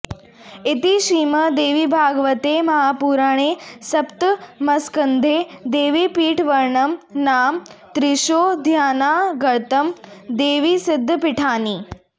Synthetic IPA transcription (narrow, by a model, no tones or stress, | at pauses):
it̪iʃiːmɐd̪eːʋiːbʱaːɡʋɐt̪eːmɐɦaːpuːɾaɳ̃eːsɐpt̪mɐskɐnd̪ʱeːd̪eːʋiːpiːʈʰʋɐɾɳɐmnaːmt̪ɾiʃoːd̪ʱjaːnaːɡɐɾt̪ɐmd̪eːʋiːsɪd̪ʱːəpiʈʰaːniː